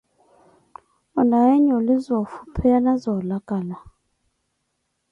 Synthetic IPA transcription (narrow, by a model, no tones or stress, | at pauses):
ɔnaɛɲɔlizɔfu̥pʰɛanazɔlaɡ̥ʼala